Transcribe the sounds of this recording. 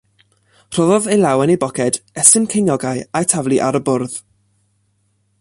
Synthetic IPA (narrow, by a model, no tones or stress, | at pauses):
r̥ɔðɔðejlˠawɛnebɔkʰɛd̥ɛsɪnkʰejnjɔɡaɨajtʰavliʔaɾəbʊrð̥